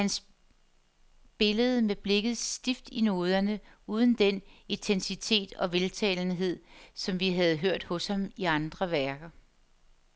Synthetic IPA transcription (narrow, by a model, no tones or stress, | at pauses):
hæns | b̥e̝ləð̞̩ˠmeb̥le̝ɡ̥ð̞̩ˠsd̥ifd̥ino̝ːð̞ˠɐnə | uːð̞ˠn̩d̥enit͡sʰensit͡sʰe̝̰ːd̥ɒ̽ʋe̝lt͡sʰɛ̰ːln̩ɦe̝ð̰ˠsɒ̽mʋiɦæð̞̩ˠɦøɐ̰d̥hɔ̽shɑ̈miɑ̈nd̥ʁɐʋæɐɡ̥ɐ